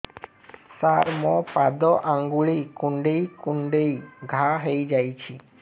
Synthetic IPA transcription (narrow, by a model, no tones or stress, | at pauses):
saɾmɔpad̪ɔʔaŋɡuɭikuɳɖejkuɳɖejɡʱaɦejd͡ʒajt͡ʃʰi